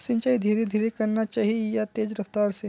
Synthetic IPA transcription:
sɪ̃nt͡ʃaːid̪ʱiːɾed̪ʱiːɾekɐɾnat͡ʃaːɦiejat̪eːd͡ʒɾɐft̪aːɾse

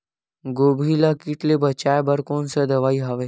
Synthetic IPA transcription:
ɡobʱilakiʈ̪lebət͡ɕajbəɾkonsəd̪əʋaiɦaʋe

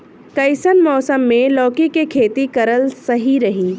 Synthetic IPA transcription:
kɐjsənmɔːsəmːẽlɔːkikekʰeːt̪ikɐɾəlsɐɦiɾɐɦiː

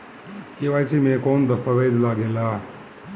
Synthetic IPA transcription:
keʋaːjsiːmẽkoːnd̪əst̪əʋeːd͡ʒlaːɡeːlaː

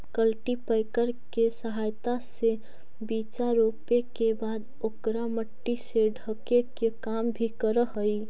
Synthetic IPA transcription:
kəlʈipəɪkəɾkesəɦajt̪ase | bit͡ʃaɾopekebad̪ | okɾaməʈːiseɖʱəkekekambʱikəɾəɦəi

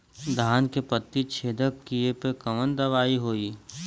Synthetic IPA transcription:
d̪ʱaːnkepət̪ːit͡ʃʰeːd̪əkkːiepekɐmənd̪ɐʋaːiɦoːiː

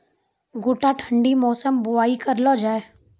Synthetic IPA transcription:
ɡʊːʈaʈʰəɳɖimɔːsəmbʊaːikɐɾlod͡ʒaːeː

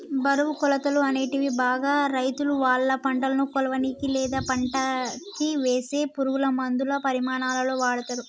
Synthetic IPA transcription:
bɐɾɐʋukɔlɐt̪ɐluɐne̞ːʈiʋibaːɡaːɾɐjt̪uluʋaːɭːɐpɐɳʈɐlɐnukɔlɐʋɐnikilɛːd̪aːpɐɳʈɐkiʋeːse̞ːpuɾuɡulɐmɐnd̪ulɐpɐɾimaːnaːlɐloːʋaːɽɐt̪ɐɾu

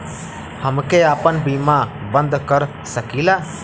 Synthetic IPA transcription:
həmkeaːpənbiːma | bə̃nd̪kəɾ | səkilaː

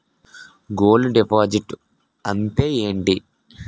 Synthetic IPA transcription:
ɡoːluɖepaːd͡ʒiʈ | ɐnt̪eːeːɳʈi

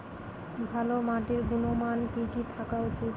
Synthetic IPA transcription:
bʱalomaʈiɾɡunomankikit̪ʰakaot͡ɕʰi

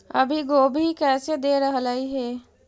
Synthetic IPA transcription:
ɐ̰bʱiɡoːbʱikɛːsed̪eɾəɦlaiɦɛː

